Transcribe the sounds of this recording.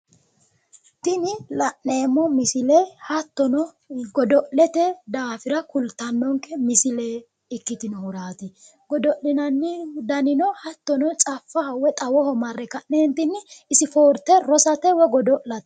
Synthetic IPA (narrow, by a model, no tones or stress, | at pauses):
t̪ɪnɪlɐʔːe̞ːmɔmɪsɪlehɐt̪ːɔnɔ | ɡɔd̪ɔʔɛt̪ɛd̪aːfɪɾɐkʊlt̪ːɐnːɔŋkːɛmɪsɪleː | ɪkːɪt̪ɪnɔhʊɾaːt̪ɪ | ɡɔd̪ɔʔlɪnɐnːɪd̪ɐnɪnɔhɐt̪ːɔnɔt͡sʼɐfːɐwɛt̪ʼɐwɔhɔmɐrːɛkɐʔːeːnt̪ɪnːɪɪsɪfoːɾt̪ːɛɾɔsɐt̪ɛwɛɡɔd̪ɔʔlɐt̪